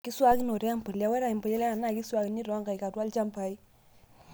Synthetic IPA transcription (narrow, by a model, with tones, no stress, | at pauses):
ki˦swa˦ki˦no˨ɾɛ˦a˦mpə˨lja˨˦wɛ˦ɾa˨i˨mpɔ˨jɛ˦lɛ˦a˨na˦˨ki˦swa˦ki˨ni˦ɾɔ˨a˦ŋka˨jka˨twa˦lt͡ʃa˦mpa˨i˦